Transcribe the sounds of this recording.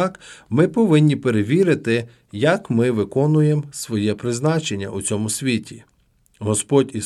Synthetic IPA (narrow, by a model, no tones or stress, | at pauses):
kmɪpɔʋɪnʲːipeɾeʋʲiɾɪt̪ɪ | jɐkmɪʋɪkɔnʊjemsʋɔjɛpɾɪznɑt͡ʃenʲːɐ̰ʔut͡sʲɔmʊsʲʋʲitʲi | ɦɔspɔdʲi